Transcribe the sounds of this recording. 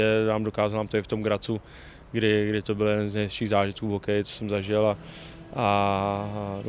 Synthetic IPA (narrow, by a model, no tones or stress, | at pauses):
ɛnaːmdo̞kaːzalamt̪oɪft̪o̞mɡɾat͡su | ɡɾɪɡɾɪt̪o̞bɪljɛdɛnznɛjɪʃiːɣzaːʒɪt̪kuːvɦokɛjɪt͡so̥sɛmzaʒɪla | a